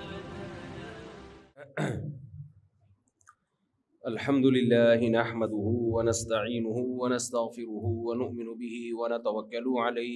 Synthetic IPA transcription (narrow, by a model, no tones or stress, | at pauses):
ʔalħamd̪ʊlɪlːaːhɪnaħmad̪ʊhʊwanast̪aʕiːnʊhʊwanast̪aɣfɪɾʊhʊwanʊʔmɪnʊbɪhɪwanat̪awakːalʊʕalajh